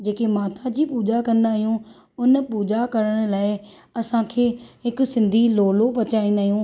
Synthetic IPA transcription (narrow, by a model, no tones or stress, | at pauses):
d͡ʑeːkemaːt̪ʰad͡ʑiːpuːd͡ʒakɐ̃nd̪aːɦijũ | ʊnpuːd͡ʒakɐɾəɽ̃ʊlaːɪɐsãkʰeːɦɪksɪ̃nd̪ʱiloːlopɐt͡ɕaːĩːnd̪aːɦijũː